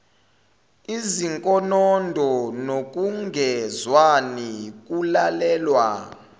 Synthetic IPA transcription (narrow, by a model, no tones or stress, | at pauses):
iziŋkʼɔnɔndʱɔnok̬ʼuŋɡʱɛzwanik̬ʼulalɛːlwa